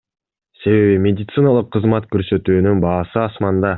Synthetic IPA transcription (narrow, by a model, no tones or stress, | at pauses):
se̞βe̞βimʲe̞d̪ʲɪt̪sɨnalˠɯqʰːɯzmɑt̪kø̞ɾsø̞t̪yːnynbɑːsɯɑsmɑnd̪ɑ